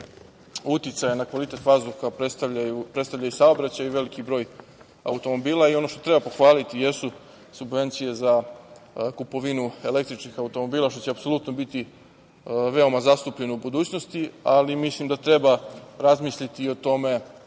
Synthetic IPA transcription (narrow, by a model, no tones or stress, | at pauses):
ut̪it̪sajanakʋalit̪e̞t̪ʋazbuxapɾet̪aajupɾet̪st̪aʋʎajusaobɾat͡ɕajuʋe̞likibɾo̞ːj | a̰ut̪o̞mo̞biːlˠaio̞no̞ʃt̪o̞t̪ɾe̞bapo̞xʋaːlit̪ije̞su | subʋe̞nt̪sije̞za | kupo̞ʋinue̞le̞k̚t̪ɾit͡ʃnixaut̪o̞mo̞biːlˠaʃt̪o̞t͡ɕeapso̞lut̪nobit̪i | ʋe̞o̞mazast̪upʎe̞noubud̪uːt͡ɕno̞st̪ialimislimd̪at̪ɾe̞baɾazmisʎit̪io̞t̪o̞me̞